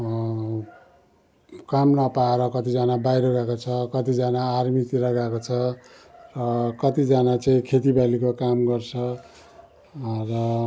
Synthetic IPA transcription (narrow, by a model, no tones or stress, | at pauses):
kamnʌpaeɾʌkʌt̪id͡zanabajɾoɡakot͡sʰʌkʌt̪id͡zanaːrmit̪iɾʌɡakot͡sʰʌ | rʌkʌt̪id͡zanat͡saĩkʰet̪ibalikokamɡʌrt͡sʰʌ | rʌ